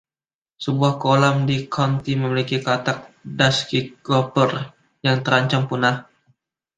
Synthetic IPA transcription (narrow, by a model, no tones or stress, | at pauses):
səbuahkolamdikʰant̪iməmilikikat̪ak̚daskikɔpər | jaŋt̪əɾaɲt͡ʃampunah